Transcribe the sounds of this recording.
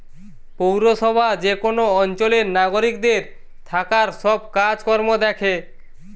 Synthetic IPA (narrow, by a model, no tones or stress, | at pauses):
powɾoʃɔbʱad͡ʑekonoɔnt͡ɕoleɾnaɡoɾik̚d̪eɾ | t̪ʰakaɾʃɔb̚kad͡ʑkɔɾmod̪ɛkʰe